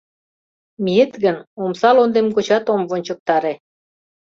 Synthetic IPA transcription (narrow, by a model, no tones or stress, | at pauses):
miet̪ɣənomsɑlond̪emkot͡ɕɑt̪omvonʲt͡ɕə̆k̚t̪ɑɾe